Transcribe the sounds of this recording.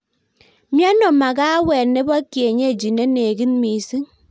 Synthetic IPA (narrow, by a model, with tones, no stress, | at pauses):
mja˦nɔ˨ma˨ka˦wɛ˨ne˦ba˦kje˨ɲe˦˨d͡ʒi˨ne˦ne˨ki˦nmi˨si˦ŋ